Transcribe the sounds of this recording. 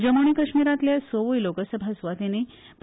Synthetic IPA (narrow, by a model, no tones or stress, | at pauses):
d͡ʑəmoɳ̃ikəʂmiɾat̪ljasoʋujlokəsəbʱasʋat̪ine | p